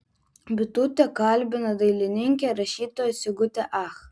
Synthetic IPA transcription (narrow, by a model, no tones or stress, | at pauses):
bʲɪt̪ut̪ʲekɑlʲbʲɪnɐd̪ɐɪlʲɪnʲɪŋʲkʲeɾɐʃʲiːt̪oːjsʲɪɡʊt̪ʲɛʔɑx